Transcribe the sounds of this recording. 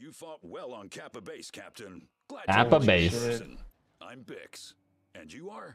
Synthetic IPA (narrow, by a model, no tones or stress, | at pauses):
jɨfɔt̚wɛlˠə̃nkʰæpəbeɪskʰæp̚tɨ̃n | ɡ̥æpəbeɪsn | ʔã̰ɪ̃mbɪ̰ks | ɨ̃njɨə˞